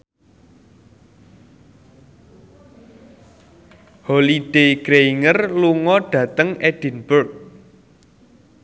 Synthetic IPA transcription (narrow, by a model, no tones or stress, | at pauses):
holiɖ̥eɡ̥ɾeiŋərluŋɔɖ̥ä̤t̪əŋɛɖ̥i̤nbʊrk̚